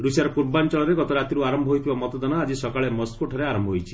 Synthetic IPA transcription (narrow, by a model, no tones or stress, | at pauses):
ɾusiaɾɔpuʈ̚bant͡ʃɔɭɔɾeɡɔt̪ɔɾat̪iɾuaɾɔmbʱɔɦojt̪ʰibamɔt̪ɔd̪ɔnɔad͡ʒisɔkaɭemɔst̪kuʈʰɔɾeaɾɔmbʱɔɦojt͡ʃʰi